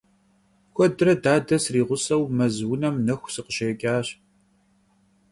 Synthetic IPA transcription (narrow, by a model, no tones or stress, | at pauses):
xʷɔdɨrɐdaːdɐsriːʁʷʊsɐwmɐzwʊnɐmnɐxʷsɨqəʃeːkʲʼaːɕ